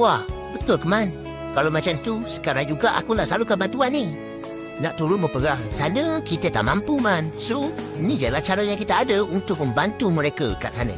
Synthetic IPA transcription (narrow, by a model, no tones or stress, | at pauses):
wahbət̪ʊkəman | kalowmat͡ʃamt̪usə̥kaɾaŋd͡ʒuɡaʔa̰kulahsəlalukabant̪uani | na̰ʔt̪uɾʊt̪̚məpəɡahsanəkit̪ət̪a̰ʔmampumansonid͡ʒalaht͡ʃaɾəjaŋkit̪aːdəunt̪ʊk̚məmbant̪uməɾekə̰k̪əla̰ʔ̚sanə̰